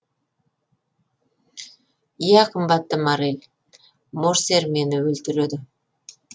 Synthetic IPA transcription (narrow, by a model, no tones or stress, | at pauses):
ijæqʰəmbɑt̪ːəmɑɾelʲ | moɾse̞ɾme̞nɪwɵlt̪ɪɾed̪ɪ